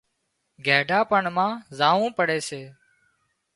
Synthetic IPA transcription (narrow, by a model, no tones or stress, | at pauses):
ɡʱeːɖʱaːpəɳmãːzaːʋũːpəɽeːseː